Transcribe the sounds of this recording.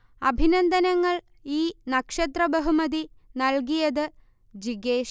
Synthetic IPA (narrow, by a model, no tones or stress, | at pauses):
ɐbʱinɐnd̪ɐnɐŋːɐɭ | iːnɐkʂɐt̪rɐbɐɦumɐd̪inɐlɡijɐðɨ | d͡ʑiɡeːʃ